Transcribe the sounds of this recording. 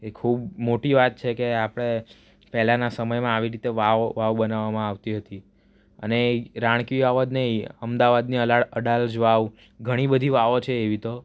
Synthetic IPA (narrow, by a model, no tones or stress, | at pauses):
ekʰubmoʈiʋat̪̚t͡ʃʰekeapəɽ̃e | pɛɦlãnasəməjmãaʋiɾit̪eʋaʋʋaʋbənaʋamãaʋt̪iɦət̪i | ə̰neɾãɽ̃kiaʋəd̪nəɦĩəmd̪aʋad̪niəlaəɽald͡ʒʋaʋ | ɡʱəɽ̃ibəd̪ʱiʋaʋot͡ʃʰeːʋit̪o